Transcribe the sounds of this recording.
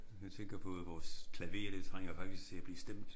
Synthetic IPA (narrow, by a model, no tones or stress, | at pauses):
mæt͡sʰeŋ̰ɡ̥ɐpʰɔ̽ʋɒːskʰlæʋe̝̰ːɐɾ̥et͡sʰʁaŋ̰jɐfɑ̈ɡ̥d̥issɡt͡sʰe̝æb̥liːsd̥em̰d̥